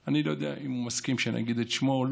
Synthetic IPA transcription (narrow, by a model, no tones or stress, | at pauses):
anilo̞jod̪eaʔimumaskimʃenʔa̰ɡid̪et̪ʃmol